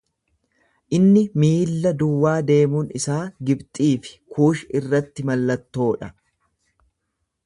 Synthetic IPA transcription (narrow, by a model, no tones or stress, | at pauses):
ʔɪnːɪmiːlːɐd̪ʊwːaːd̪e̞ːmuːnɪsaːɡɪbt̪ʼiːfɪ̥kʰuːʃɪrːɐt̪ːɪmɐlːɐt̪ːo̞ːᶑɐ